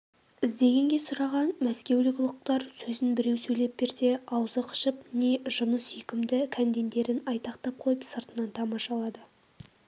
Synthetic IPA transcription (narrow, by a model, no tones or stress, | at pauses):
ɪzd̪e̞ɡʲe̞ŋɡʲe̞sʊɾɑʁɑnmæskʲe̞wlɪkʲlˠʊq̚t̪ɑɾsɵzɪnbɪɾe̞wsɵjle̞p̚be̞ɾse̞ɑwzəqʰə̥ʃəp̚ne̞ʒʊnəsikʲɪmd̪ɪkʲʰænd̪e̞nd̪e̞ɾɪnɑjt̪ɑqt̪ɑp̚qʰo̞jəpsəɾt̪ənɑnt̪ʰɑmɑʃɑlˠɑd̪ə